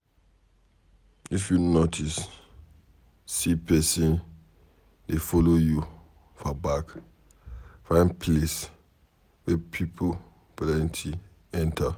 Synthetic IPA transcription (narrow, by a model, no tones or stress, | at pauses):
ifjunotʰis | sipʰɛsĩn | defɔloju | fabak | fãɪ̃npʰles | wɛpʰipʰo | blaɛ̃ntʰi | ɛ̃ntʰa